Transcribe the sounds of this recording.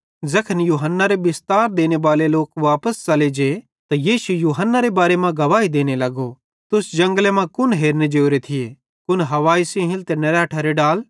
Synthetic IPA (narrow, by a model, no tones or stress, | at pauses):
zɐkʰənjuːɦənːaɾebɪst̪aːɾd̪eːnebaːleloːkʋaːpəst͡ʃɐled͡ʒe | t̪ajiːʃujuːɦənːaɾebaːɾemãɡɐʋaːid̪eːñelɐɡo | t̪ʊsd͡ʒɐ̃ŋɡlemãkʊnɦeːɾned͡ʒeːoɾet̪ʰɪje | kʊnɦɐʋaːisẽɦɪ̃lt̪enɐɾɛːʈʰaɾeɖaːl